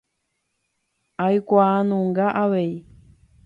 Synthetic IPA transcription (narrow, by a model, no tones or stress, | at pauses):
aikʷaːnũŋɡaʔaβei